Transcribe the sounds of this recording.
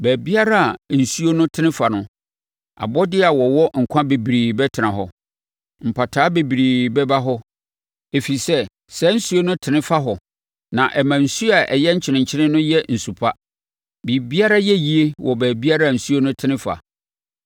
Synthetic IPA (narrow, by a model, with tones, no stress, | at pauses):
bæː˨bi˦a˦ɾa˦˨n̩˨su˦o˦nʊ̃˦tʰɪ˦nɪ̃˦fa˨nʊ̃˦ | a̰˨bɔ˦dɪ˦a˨wɔ˨wɔ˦ŋ̩˨kʷʰã˦be˨bi˨ɾiː˨bɛ˦tʰɪ˨nã˨ɦɔ˨ | m̩˨pʰa˨tʰaː˨˦be˨bi˨ɾiː˨bɛ˦ba˦ɦɔ˦ | e˨fi˨sɛ˦ | sɛ˦n̩˦su˦o˦nʊ̃˦tʰɪ˨nɪ̃˦fa˦ɦɔ˨ | nã˨ʔɛ˨mã˨n̩˨su˦a˨ʔɛ˨jɛ˦ɲ̩˦t͡ɕʰɪ˨nɪ̃˨ɲ˨t͡ɕʰɪ˦nɪ̃˦nʊ̃˦jɛ˦n̩˨su˨pʰa˦ | bi˨bi˦a˦ɾa˦jɛ˦ji˦e˦wɔ˨bæː˨bi˦a˦ɾa˦˨n̩˨su˦o˦nʊ̃˦tʰɪ˦nɪ̃˦fa̰˨